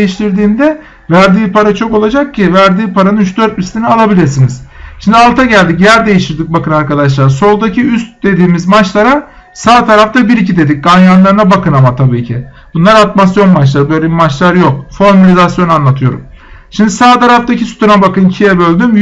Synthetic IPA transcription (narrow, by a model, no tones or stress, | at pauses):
ejiʃt̪ʰiɾd̪iːnd̪ɛ | væɾd̪iːpʰaɾat͡ʃʰo̞ko̞lˠad͡ʒak̚cʰivæɾd̪iːpʰaɾanɯnyt͡ʃd̪ø̞ɾt̪̚mislʲinialˠabilʲiɾsiniz̥ʃimd̪ʲalˠt̪ʰaɟælʲd̪icjæɾd̪e̞jiʃt̪ʰiɾd̪ik̚bakɯnaɾkad̪aʃ̬lˠaɾso̞lˠd̪acʰiyst̪̚d̪e̞d̪iːmizmat͡ʃlˠaɾa | saːt̪ʰaɾaft̪ʰabiɾicid̪e̞d̪ic̚ɡanjanlˠaɾɯnabakʰɯnamat̪ʰabiːcʰi | b̥unlˠaɾat̪masjo̞nmat͡ʃlˠaɾɯbø̞jlʲebimat͡ʃlˠaɾjo̞k̚foɾmalʲizasjo̞nanlˠat̪ʰɯjo̞ɾṵm | ʃimd̪isaːt̪aɾaft̪acʰisy̥t̪ʰuɾabakɯncʰijɛbø̞lʲd̪ym